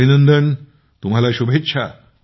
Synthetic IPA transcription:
inənd̪ən | t̪um̤ɦalaɕubʱet̪ːɕʰa

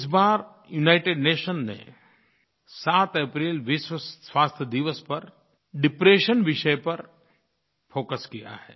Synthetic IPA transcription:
ɪsbaːɾ | junaːɪʈeːɖneːʃənnḛ | saːt̪epɾiːlʋɪswəwaːst̪ʰəd̪iʋəspɐɾ | ɖɪpɾeːʃənʋɪʃəpɐɾ | fʰoːkəskija̰ɦɛ̰ː

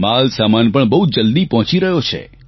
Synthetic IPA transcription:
malsamanpəɳbəɦud͡ʒəld̪ipɔɦɔ̃t͡ʃiɾəɦjot͡ʃʰḛ

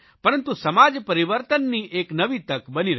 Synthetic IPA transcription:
pɐɾənt̪ũsəmad͡ʒpəɾiʋəɾt̪ənːiʔeknəʋit̪əkbəniɾə

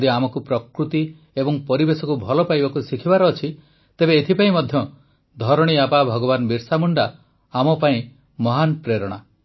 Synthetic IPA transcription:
d̪iamɔkupɾɔkɾut̪i | ebɔŋpɔɾibesɔkubʱɔlɔpajbakusikʰibaɾɔːt͡ʃʰi | t̪ebeːt̪ʰipaĩmɔd̪ʱjɔ | d̪ʱɔɾɔɽ̃iapabʱɔɡɔbanbiɾsamuɳɖa | amɔpaĩ | mɔɦanpɾeɾɔɽ̃a

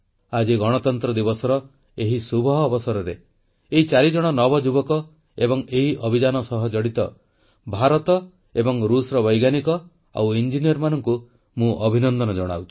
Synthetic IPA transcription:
ad͡ʒiɡɔɽ̃ɔt̪ɔnt̪ɾɔd̪ibɔsɔɾɔ | eɦisubʱɔɦɔːbɔsɔɾɔɾe | eɦit͡ʃaɾid͡ʒɔɽ̃ɔnɔbɔd͡ʒubɔkɔ | ebɔŋeɦiʔɔbʱid͡ʒanɔsɔɦɔd͡ʒɔɽit̪ɔ̰ | bʱaɾɔt̪ɔ | ebɔŋɾusɾɔβɔjɡanikɔ | a̰wind͡ʒinijɔɾmanɔŋku | mũʔɔbʱinɔnd̪ɔnɔd͡ʒɔɽ̃a̰wt̪ʰi̥

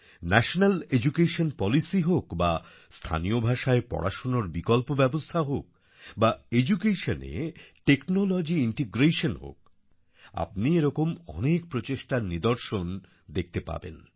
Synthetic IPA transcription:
nɛʃonaled͡ʑukeʃonpɔlisiɦokba | st̪ʰa̰niobʱaʃaepɔ̰ɾɽʔa̰ʃonoɾbikɔlpobɛbost̪ʰaɦok̚ | baed͡ʑukeʃonḛʈeknolɔd͡ʑiiɳʈiɡɾeʃonɦo̰k̚ | a̰p̚nieɾɔkomɔ̰nek̚pɾot͡ɕeʃʈaɾnid̪oɾʃon | d̪ek̚ʰt̪epa̰bḛn

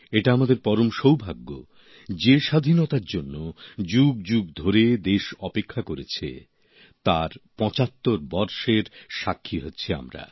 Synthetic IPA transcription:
eʈaamad̪eɾpɔɾomʃowbʱaɡːo̰ | d͡ʑeʃad̪ʱinot̪aɾd͡ʑonːod͡ʑuɡ̚d͡ʑuɡ̚d̪ʱoɾed̪eʃɔpekʰːakoɾet͡ɕʰḛ | t̪aɾpɔ̃t͡ɕat̪ːoɾbɔɾʃeɾʃakʰːiɦotːɕʰia̰mɾa̰

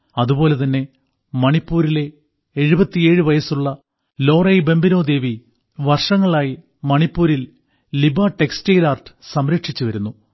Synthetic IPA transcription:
ɐðubo̞ːle̞t̪̬ɐnːe̞ | mɐɳipːuːɾile̞ː | ɻubɐt̪ːie̞ːɻɨʋɐjɐsuɭːɐ | lo̞ːrɐjbe̞mbino̞ːd̪e̞ːʋi | ʋɐrʂɐŋːɐɭaːji | mɐɳipːuːɾil | libaːʈe̞kstejlaːrʈɨ̥sɐmɾɐkʂit͡ɕːuʋɐɾunːu

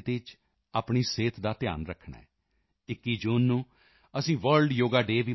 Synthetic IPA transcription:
t̪ɪt͡ʃ | aːpɳiːseːt̪ʰd̪aːt̪ɪja̰ːnɾəkʰɳa̰ːɛ | ɪkːiːd͡ʒuːnːũː | əsĩːʋəɾɖjoːɡaːɖeːʋiː

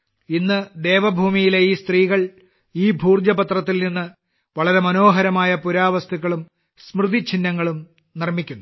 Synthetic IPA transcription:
inːɨd̪e̞ːʋɐbʱuːmijile̞iːst̪riːɣɐɭ | iːbʱuːrd̪jɐbɐt̪rɐt̪̬ːilninːɨ | ʋɐɭɐɾe̞mɐno̞ːɦɐɾɐmaːjɐpuɾaːʋɐst̪ʰuɣːɐɭum | smrɨd̪it͡ɕʰinːɐŋːɐɭum | nirmikʲːunːu

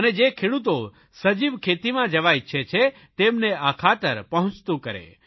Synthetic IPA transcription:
əned͡ʒekʰeɽut̪o | səd͡ʒiʋkʰet̪imãd͡ʒəʋajt͡ʃʰet͡ʃʰe | t̪emneakʰat̪əɾpəɦʊ̃t͡ʃt̪ũkəɾḛ

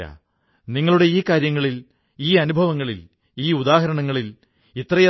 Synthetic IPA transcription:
ɐ̰ | niŋːɐɭuɽe̞iːkaːɾjɐŋːɐɭil | iːɐnubʱɐʋɐŋːɐɭil | iːud̪aːɦɐɾɐɳɐŋːɐɭil | it̪rɐjɐ

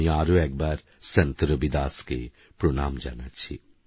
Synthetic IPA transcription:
iaːɾoɛk̚baɾ | sent̪ɾobid̪aske | pɾonamd͡ʒa̰nat͡ɕʰi

